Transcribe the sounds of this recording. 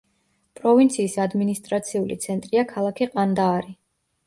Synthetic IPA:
pʼɾɔvint̪sʰiːsad̪minist̪ʼɾat̪sʰiulḭt̪sʰɛnt̪ʼɾiakʰalˠakʰiqʼand̪aːɾi

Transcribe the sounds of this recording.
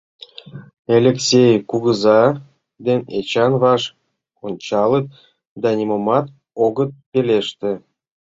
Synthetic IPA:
elʲeksʲejkuɣəzɑ | d̪enʲet͡ɕɑnvɑʃ | onʲt͡ɕɑlˠət̪̚ | d̪ɑnʲimomɑt̪ | oɣət̪̚peleʃt̪ĕ

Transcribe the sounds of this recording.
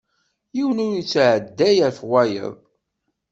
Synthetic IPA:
jiwənʊɾjət͡sːʕəd̪ːæjəɾfwæjə̰ðˤ

